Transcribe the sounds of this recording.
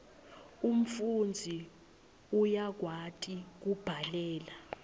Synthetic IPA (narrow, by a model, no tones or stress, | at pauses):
um̩fund͡zʱi | ujak̬watʼik̬ub̥ʱalɛːla